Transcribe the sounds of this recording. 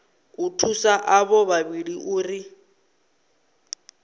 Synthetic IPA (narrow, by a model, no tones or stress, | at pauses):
utʰusaʔaβɔβaβiɺiʔuːri